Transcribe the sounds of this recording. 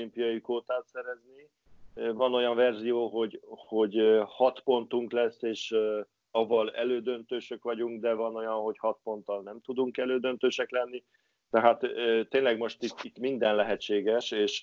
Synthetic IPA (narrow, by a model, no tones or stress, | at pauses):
impijɒjikoːt̪aːt̪sɛɾɛzni | vɒno̞jɒɱvɛrzijoːɦo̞ɟho̞ɟhɒt̪po̞nt̪uŋklɛsːeːʃ | ɒvɒlɛ̰løːd̪ø̞nt̪øːʃøkʋɒɟuŋɡd̪ɛvɒno̞jɒnɦo̞chɒt̪̚po̞n̪t̪ːɒlnɛmt̪ud̪uŋkɛløːd̪ønt̪øːʃɛklɛnːi | t̪ɛɦaːt̪øt̪ːeːnlɛɡmo̞ʃt̪it̪ːit̪ːmind̪ɛnlɛɦɛt͡ʃːeːɡɛʃeːʃ